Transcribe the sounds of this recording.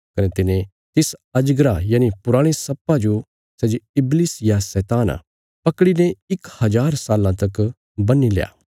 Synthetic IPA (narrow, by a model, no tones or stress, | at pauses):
kɐnet̪ɪnẽ | t̪ɪsɐd͡ʒɡɾajaːnipʊɾaːɽ̃esɐpːãd͡ʒo | sɛːd͡ʒeɪbliːsjasɛːt̪aːna̰ | pɐkɽineɪkhɐd͡ʒaːɾsaːlãt̪ɐk | bɐnːilja̰ː